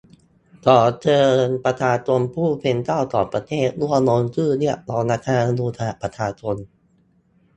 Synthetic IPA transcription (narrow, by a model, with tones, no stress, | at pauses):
t̪ɔː˨˩t͡ɕɤː˧npɾa˧t̪ʰaː˧t̪u˧əmpʰuː˥˩pʰe˧nt̪aː˥˩wt̪ɔ̰ː˨˩pɾa˧t̪ʰeː˥˩t̪̚lu˥˩ənoː˧nt͡ɕɯː˥˩ni˥˩ɐʔlɔ˧˩naː˧˥k̪ʰaː˧n˧luː˧t̪ʰa˧a˨˩pɾa˧t͡ɕʰaː˧t͡ɕʰo˧n